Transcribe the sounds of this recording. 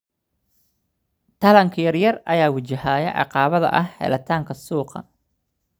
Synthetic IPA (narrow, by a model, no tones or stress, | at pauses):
t̪ʰɐlɐŋkʰɐjɐrjɐrɐjaːwɪt͡ʃɐhaːjɐ̰ʔɑ̰qɑːβɐðɐ̰ʔɐhhɛ̰lɐt̪ʰaːŋkʰɐsuːqɐ̰